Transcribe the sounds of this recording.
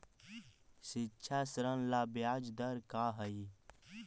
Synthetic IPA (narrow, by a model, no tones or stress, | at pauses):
sɪtːʃʰasɾənlaːbjaːd͡ʒd̪əɾkaːɦəi